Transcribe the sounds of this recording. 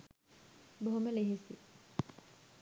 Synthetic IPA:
boɦoməleɦisi

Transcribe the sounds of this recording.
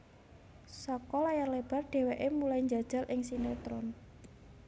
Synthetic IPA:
sɔkɔlajarleb̥a̤rɖ̥e̤weʔemulaiɲd͡ʒa̤d̥ʒ̥a̤lʔɪŋsinet̪ɾɔn

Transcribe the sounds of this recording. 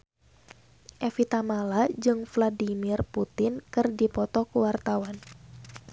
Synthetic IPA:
ʔɛfit̪amalad͡ʒɨŋfladimirput̪ɪnkɨrdipɔt̪ɔkuwart̪awan

